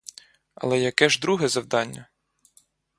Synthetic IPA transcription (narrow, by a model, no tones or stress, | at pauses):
ɐ̰lˠɛjɐkɛʒd̪ɾuɦɛzɐwd̪ɑnʲːɐ